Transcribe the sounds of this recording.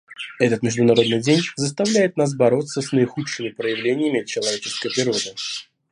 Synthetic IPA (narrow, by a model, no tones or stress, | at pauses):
ɛt̪ət̪mʲɪʐd̪ʊnɐɾo̞d̪̚nɨjdʲenʲzəs̬t̪ɐvlʲæjɪt̪nas̬bɐɾo̞t̪sːəsnəɪxutʂɨmʲɪpɾəjɪvlʲenʲɪjəmʲɪt͡ɕːɪlˠɐvʲet͡ɕɪ̥skəjpɾʲɪɾo̞d̪ɨ